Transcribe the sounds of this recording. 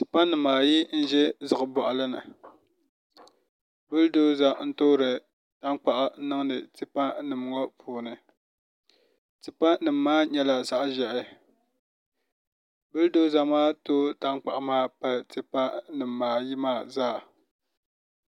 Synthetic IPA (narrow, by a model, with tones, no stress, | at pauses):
ti˨pa˦nɨ˨mːaː˨ji˦n̩˦ʒɛ˦zɨ˨ɣɨ˨bɔ˨ʔa˨lɨ˦nɨ̰˨ | bɨ˦ldo˦za˦n̩˦toː˦ɾɨ˨ | ta˦nk͡pa˨ʔa˨˦nɨ˦ŋ˦nɨ˨tɨ˦pa˦nɨ˨m˨ŋo˦pʰuː˨nɨ˨ | tɨ˨pa˦nɨ˨mː˦aː˦ɲɛ˦la˨za˨ʔʒɛ˨ʔɪ˨ | bɨ˦ldo˦za˨maː˦toː˦ta˦nk͡pa˨ʔa˨maː˦˨pa˨ltɨ˨pa˦nɨ˨mːaː˨ji˦maː˦˨zaː˦˨